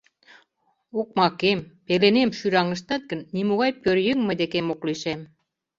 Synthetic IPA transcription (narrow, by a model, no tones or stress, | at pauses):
ok̚mɑkempelenemʃyɾɑŋə̆ʃt̪ɑt̪̚ɡə̆nːimuɣɑjpøɾjəŋmə̆d̪ekemokliʃem